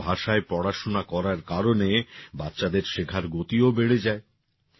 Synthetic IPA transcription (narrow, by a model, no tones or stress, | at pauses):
bʱaʃaepɾɔɽaʃonakɔɾaɾkaɾonebatːɕad̪eɾʃekʰaɾɡot̪iobeɽed͡ʑae